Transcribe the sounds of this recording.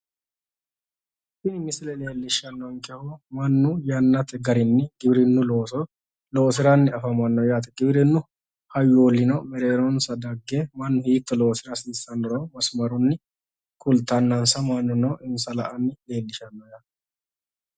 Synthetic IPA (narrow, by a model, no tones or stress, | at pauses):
sɪnmɪsɪlɛle̞ːlːɪʃːɐnːɔwɐŋkɛhɔmɐnːʊjɐnːɐt̪ɛɡɐɾɪnːɪɡɪbɪɾɪnːʊloːsɔ | lo̞ːsɪɾɐnːɪɐfɐmɐnːɔjaːt̪ɛɡɪbɪɾɪnːʊ | hɐjolːɪnɔmɛɾe̞ːɾɔnsɐd̪ɐɡːemɐnːʊhiːt̪ːɔloːsɪɾɐsiːsːɐnːɔɾoːmɐsmɐɾʊnːɪ | kʼʊlt̪ːɐnːɐnsɐmɐnːʊnɔʔɪnsɐlɐʔɐnːɪle̞ːlːɪʃɐnːɔjaːt̪